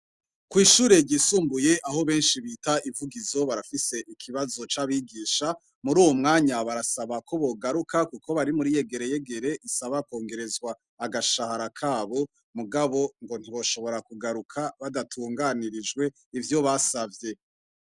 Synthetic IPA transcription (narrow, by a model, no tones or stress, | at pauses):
kwiːʃuːɾe̞ɟisuːmbuje̞ʔaɦo̞βe̞ːnʃiβitaivuɡizo̞βaɾafise̞ʔikʰiβazo̞t͡ʃaβiɡiːʃa | muɾuːwo̞mŋaːɲaβaɾasaβakʰo̞βo̞ɡaɾukakukʰo̞βaɾimuɾije̞ɡe̞ɾe̞je̞ɡe̞ɾe̞ʔisaβako̞ːŋɡe̞ɾe̞zɡwaː | ɡaʃahaɾakʰaːβo̞ | muɡaβo̞ŋɡo̞n̥iβo̞ʃo̞βo̞ɾakuɡaɾukʰaβadatʰuːŋɡaniɾid͡ʒɡwe̞ | ivjo̞βasavje̞